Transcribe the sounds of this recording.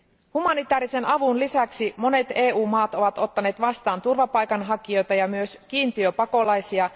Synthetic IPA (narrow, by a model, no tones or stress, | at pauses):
humɑnit̪æːɾise̞nɑʋunlisæksimo̞ne̞t̪e̞ːuːmɑːt̪o̞ʋɑt̪o̞t̪ːɑne̞ːt̪ʋɑst̪ɑːnt̪urʋɑpɑjkɑnɦɑkio̞jt̪ɑjɑmyøskiːnt̪iøpɑko̞lɑjsiɑ